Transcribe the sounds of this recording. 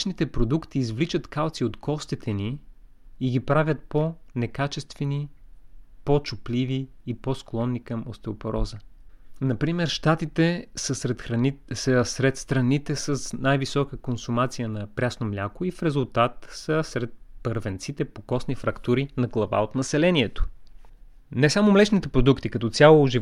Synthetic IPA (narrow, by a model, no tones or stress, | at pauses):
t͡ʃnit̪ɛpɾod̪ukt̪iːzvlit͡ʃət̪kalˠt̪siot̪kɔst̪it̪ʰɛniː | ɡipɾavʲjət̪̚ponɛkat͡ʃɛst̪vɛni | pot͡ʃʊpliviː | posklˠɔnːikɐmost̪ɛopoɾʔɔzənɐpɾimɛɾʃt̪at̪it̪ɛsəɛsəsɾɛt̪st̪ɾɐnit̪ɛsəsnajvisɔkəkonsʊmat̪sijənɐpɾʲasnomlʲakoifɾɛzulˠt̪at̪səsɾɛt̪̚pəɾvɛnt̪sit̪ɛpokɔsnifɾɐkt̪uɾinɐɡlˠɐva̰ot̪nɐsɛlɛniɛt̪o̥ | nɛsamomlɛt͡ʃnit̪ɛpɾod̪ukt̪ikɐt̪ɔt̪sʲalˠoːʒi